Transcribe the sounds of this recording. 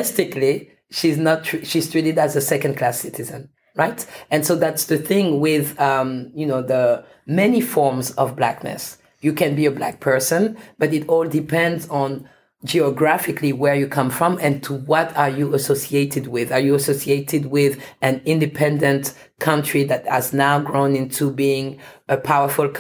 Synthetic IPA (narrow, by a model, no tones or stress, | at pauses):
ɛstɪkli | ʃiznətʰɹʃiz̥tɹ̥iɾɨdæzəsɛkɨ̃n̚kʰl̥æsɪtɨzɨ̃n | ɹaɪtɨ̃nsoʊðætsðɨθɪ̃ŋwɪðʌ̃mjɨnoʊðə | mɛnifɔɹmzʌvblæknɨ̰s | jɨkɨ̃nbiəblæ̰k̚pʰɜ˞sɨ̃nb̥ʌɾɨɾɔlˠdɨpʰɛ̃ndzn̩ | d͡ʒiɨɡɹæfɨkʰliwə˞jɨkʰʌ̃mfɹʌ̃mɨ̃ntʰuwʌɾə˞juəsosieɪɾɨd̚wɪðə˞jɨəsoʊsieɪɾɨd̚wɪðɨ̃nɪ̃ndɨpʰɛ̃ndɨ̃nt | kʰʌ̃nt͡ʃɹ̥iðɨt̚hɨznaʊɡɹõʊ̃nɪ̃ntʰubiɪ̃ŋəpʰaʊə˞fʊl̩ˠk